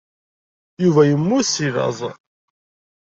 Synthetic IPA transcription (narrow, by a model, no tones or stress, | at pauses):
juvæjəmːusiɾɑ̰zˤ